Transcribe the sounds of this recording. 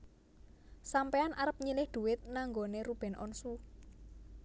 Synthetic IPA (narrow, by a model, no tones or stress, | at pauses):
sampeanʔaɾəp̚ɲilɪhd̪̥ṳwɪt̪̚naŋɡoneɾub̥ɛ̤nʔɔ̰nsu